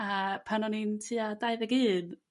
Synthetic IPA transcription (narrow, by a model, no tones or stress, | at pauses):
apʰanɔnintʰiːadaɨðɛɡɨːn